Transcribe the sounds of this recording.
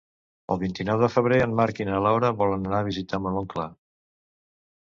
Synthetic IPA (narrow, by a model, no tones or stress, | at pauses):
ə̰lˠβint̪inɔwðəfəβ̞ɾeənmaɾkinəlawɾəβɔlənənaβ̞izit̪aməloŋkla